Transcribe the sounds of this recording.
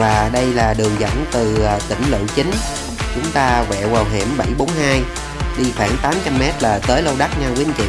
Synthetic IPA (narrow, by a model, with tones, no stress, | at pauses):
vaː˨˩ɗə˧jlaː˨˩ɗɨ˨˩əŋzə̰˧˥nt̪ɨ˨˩˨t̪ï˧˩ŋ̟lɨ̰˧˨t͡ɕi˨˦ŋ̟ | t͡ɕʊ˨˦ŋ͡mt̪aː˧vɛ̰˧˨waː˨˩wɦe˧˩əmɓa˧˩jɓo˨˦nɦaː˧j | ɗi˧xaː˧˩nt̪aː˨˦mt͡ɕa˧mːɛ˦˥t̚laː˨˩t̪əː˨˦jlo˧wɗa˦˥k̚ɲaː˧wkwi˧˦nt͡ɕḭ˨˧˨